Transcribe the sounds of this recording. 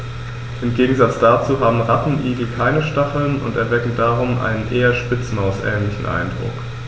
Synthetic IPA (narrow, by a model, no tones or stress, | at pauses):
ʔɪmɡeːɡŋ̩zat͡sd̥at͡suːɦaːbm̩ʁapn̩ʔiːɡl̩kʰaɪnəʃtaχl̩nʊ̰ntɛɐvɛkŋ̩daːʁʊmʔa̰ɪnənʔeːɐʃpɪt͡smaʊsʔɛ̰ːnlɪçn̩ʔa̰ɪndʁʊ̰k